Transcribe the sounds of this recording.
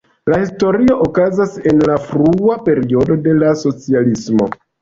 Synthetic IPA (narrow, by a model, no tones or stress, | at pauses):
lahisto̞ɾio̞ʔokazase̞nlafɾuape̞ɾio̞do̞de̞laso̞t͡sialismo̞̰